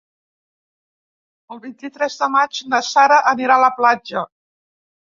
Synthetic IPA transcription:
əlˠβint̪it̪ɾɛzðəmat͡ʃnəsaɾəʔəniɾaləplad͡ʒə

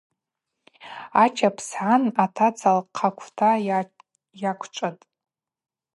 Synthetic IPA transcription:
at͡ʃʰapʰsħanatʰat͡sʰalqʰakʷʰtʰa | jakʷʰʈ͡ʂʷʼatʼ

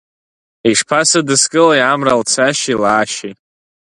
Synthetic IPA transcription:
iʂpʰasadɨskʼɨlajamralt͡sʰaʃilaːʃitʼ

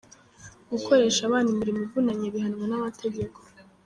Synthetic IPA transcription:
ɡ̥ukʰo̞ɾe̞ːʃaβaːndimiɾimivunaɲeβihanŋwenamatʰe̞ɟe̞kʰo

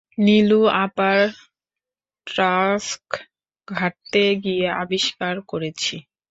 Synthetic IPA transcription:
niluapaɾ | ʈɾask | ɡʱaʈt̪eɡiea̰biʃkaɾkoɾet͡ɕʰi

